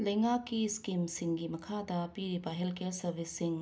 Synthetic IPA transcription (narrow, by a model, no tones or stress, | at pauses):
lɐjŋakkːiskimsiŋɡimɐkʰadɐpiɾibɐɦelkelsɐɾbʱisːiŋ